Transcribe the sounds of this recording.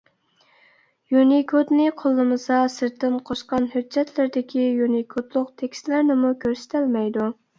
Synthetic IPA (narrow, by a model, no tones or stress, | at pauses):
junikʰot̪nɪqʰolˠːɨmɨsɑsɨɾt̪ːɪnqʰoʃqɑnɦød͡ʒːɛt̪ʰlɪɾd̪ɪkʲʰijunikʰot̪lˠʊqt̪ʰekʲst̪lɪɾnɪmukʲʰøɾsɪ̥t̪ʰɪlmɛjd̪u